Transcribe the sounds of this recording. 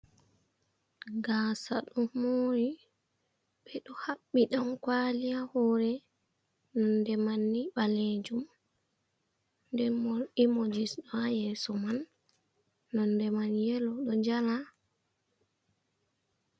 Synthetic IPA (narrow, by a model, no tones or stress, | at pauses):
ɡaːsaɗɔmoɾi | ɓɛɗɔhaɓːiɗamkwalijahɔɾɛ | nɔndɛmanːiɓaled͡ʒum | ndɛmoɾimod͡ʒisɗɔajɛsɔmanː | ɔndɛmanjɛlɔɗɔd͡ʒala